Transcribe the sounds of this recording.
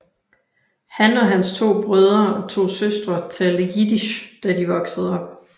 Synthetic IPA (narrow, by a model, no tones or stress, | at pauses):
hænɒ̽ɦænst͡sʰo̝̰ːb̥ʁœð̞ˠɐɒ̽t͡sʰo̝̰ːsøsd̥ʁɐt͡sʰɛːldəɡid̥iɕd̥ædiʋɒ̽ɡ̥səð̞̩ˠɒ̽b̥̚